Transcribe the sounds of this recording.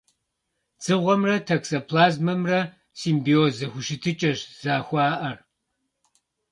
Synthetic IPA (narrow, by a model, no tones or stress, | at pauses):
d͡z̥ɨʁʷɔmrɐtʰɐksɐpʰlaːzmɐmrɐ | siːmbioːzɐxʷʊʃɪtʰɨt͡ʃʼɐʃz̥aːxʷɑːʔɐr